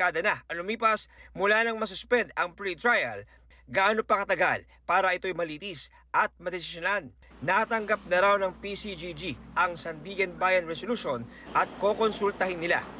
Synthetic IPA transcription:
aːd̪ɐnaɐlʊmiːpɐsmʊlanɐŋmɐs̬ʊspɛnd̪ɐŋpɾit̪ɾajɐ̰l | ɡaaːnopɐkɐt̪ɐɡal | paːɾɐʔɪt̪o̞jmɐliːt̪is | ʔɐt̪̚mɐd̪ɛsɪ̥sjonan | nat̪ɐŋɡap̚nɐɾawnɐŋpisid͡ʒid͡ʒiʔɐŋsɐnd̪iːɡɛnbaːjɐnɹɛsoluʃonʔɐt̪̚ko̞konsult̪ɐhɪnːɪla̰

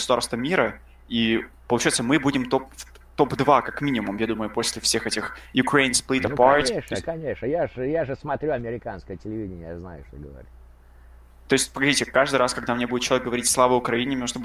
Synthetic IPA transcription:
ɡəsʊd̪arst̪vəmʲiɾə | ipəlʊt͡ɕɛjɪt̪səmɨbudʲɪmt̪o̞pː | t̪o̞pd̪vakakmʲinʲɪmʊmjad̪uməjʊposʲlʲɪfsʲe̞xɛtʲɪxjʊkɾeɪnsplʲit̪əpaɾtʲeʂnəkɐnʲeʂnəjaʐɨjaʐɨsmɐt̪ɾʲuɐmʲɪɾʲɪkanskəjətʲɪlʲɪvʲidʲɪnʲəjazna̰jʊ̰ʂt̪oɡəʋɐ̰ɾʲit | t̪o̞ɪsʲtʲpəɡɐzʲitʲɪkaʐd̪ɨjɾaskɐɡd̪amnʲe̞budʲɪt̪̚t͡ɕɪlˠɐvʲek̚ɡəvɐɾʲitʲslˠavəʊkɾɐinʲɪmnoʂt̪ob

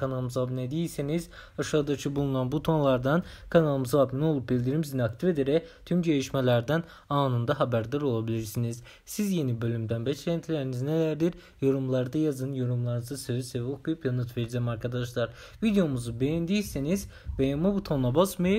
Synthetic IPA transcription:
kʰanalˠmɯzabnɛd̪ijilʲsiniz | ɑʃaːɯd̪at͡ʃʰɯbulˠunanbut̪ʰo̞nlˠɑɾd̪ɑnkʰanalˠɯmɯzabnɛo̞lˠup̚bilʲd̪iɾimizinakt̪ʰife̞d̪eɾɛt̪ʰymd͡ʒejiʃmɛlʲæɾd̪æn | ɑːnɯnd̪aɦɑbæɾd̪aɾo̞lˠabilʲiɾsiniz̥ | sizje̞nibø̞lʲymd̪ænbɛt͡ʃlʲænt̪ʰilʲæɾinizinɛlæɾd̪iɾ | jo̞ɾumlˠɑɾd̪ajazɯnjo̞ɾumlˠɑɾnɯzasøisevukujpjanɯt̪ʰveɾzæmɑɾkʰad̪ɑʃ̬lˠɑɾ | vid̪ejo̞muzubejænd̪ijisiniz | vɛjamabut̪ʰo̞nabasmɯjɯ

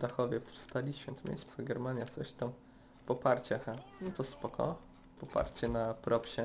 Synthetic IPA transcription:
d̪axɔvʲjɛpst̪alʲiɕfʲjɛnt̪mʲḛt͡ɕt̪sɔɡɛɾmaɲjat̪sɔɕt̪am | pɔpaɾt͡ɕɛxanɛt̪ɔspɔkʰɔ̰ | pɔpa̰ɾt͡ɕɛnapɾʔɔpɕɛ

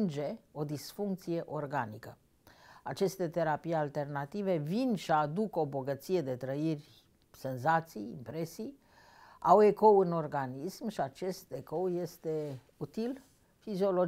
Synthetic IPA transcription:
nd͡ʒe̞o̞d̪isfuŋk̚t̪sije̞ʔo̞rɡanikə | at͡ʃest̪e̞t̪e̞ɾapijalt̪e̞rnat̪ive̞vinʃiad̪uko̞bo̞ɡət̪sije̞d̪e̞t̪ɾəirʲ | se̞nzat̪sijḭmpɾe̞sij | awe̞ko̞wɨno̞rɡanismʃiat͡ʃe̞st̪eko̞wje̞st̪e̞ | ut̪il | fizio̞lo̞

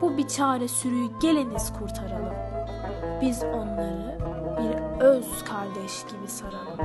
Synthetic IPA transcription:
bubit͡ʃʰaːɾɛsyɾyjyɟe̞lʲiniz̥kʰuɾt̪ʰaɾalˠɯm | b̥izo̞nlˠaɾɯbiɾøzkʰaɾd̪ɛʃɟ̥ibisaɾalˠɯ

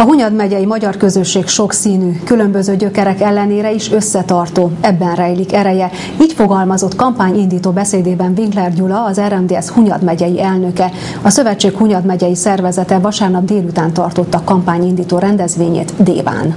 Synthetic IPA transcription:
ɒɦuɲɒd̪mɛɟɛjimɒɟɒrkø̞zøʃːeːkʃo̞ksiːnyːkylø̞mbøzøːɟøkɛɾɛkɛlːɛneːɾɛiʃø̞sːɛt̪ɒrt̪oːɛbːɛnrɛjlikɛɾɛjɛ | iːcfo̞ɡɒlmɒzo̞t̪kɒmpaːɲind̪iːt̪oːbɛseːd̪eːbɛɱviŋklɛrɟulɒɒzɛɾɛmd̪eːɛshuɲɒd̪mɛɟɛjiɛlnø̞kɛ | ɒsøvɛt͡ʃːeːkhuɲɒd̪mɛɟɛjisɛrvɛzɛt̪ɛvɒʃaːrnɒb̚d̪eːlut̪aːnt̪ɒrt̪o̞t̪ːɒkɒmpaːɲind̪iːt̪oːɾɛnd̪ɛzʋeːɲḛːt̪d̪ḛːva̰ːn

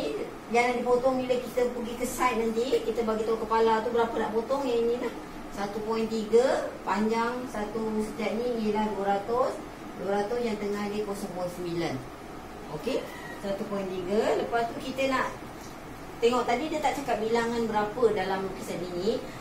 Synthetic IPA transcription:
i | jaŋnaʔdipot̪ɔŋiləkit̪əpəɡikəsat̪̚nant̪ikit̪əbaɡit̪kəpalat̪ubəɾapənaʔpot̪ɔŋjainĩlah | sat̪upɔint̪iɡəpaɲd͡ʒaŋsat̪usət̪aʔniilahduəɾat̪ʊs | duəɾat̪ʊsjaŋt̪əŋahdikuɔsɔŋpɔinsəmbilən | oke | səat̪upɔint̪iɡələpast̪ukit̪ənaʔ | t̪eŋɔʔt̪adidiət̪aʔt͡ʃakap̪̚bilaŋanbəɾapədalamukisanini

